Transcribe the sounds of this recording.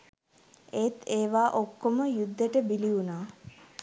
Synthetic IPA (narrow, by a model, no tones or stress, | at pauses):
et̪eːʋaːʔokːoməjud̪ːeʈəbiliunaː